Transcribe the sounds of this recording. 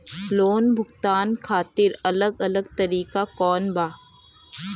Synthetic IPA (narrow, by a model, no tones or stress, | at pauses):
loːnbʱʊɡt̪aːnkʰaːt̪ɪɾɐləɡɐləɡ̚t̪ɐɾiːkakɔːnbʱaː